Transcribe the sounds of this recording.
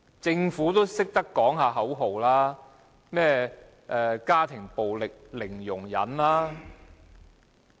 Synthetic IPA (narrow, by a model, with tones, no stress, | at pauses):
t͡sɪ˧ŋfuː˨˥t̪o˥wsɪ˥k̚t̪ɐ˥kːɔː˨˥ŋɦaː˧ɦɐ˨˥wɦo˨wlaː˥ | mɛː˥ | ʔɛː˨kaː˥t̪ʰɪ˨˩ŋpo˨wlɪ˨k̚lɪ˨˩ŋjʊ˨˩ŋjɐ̰˨˥nlaː˥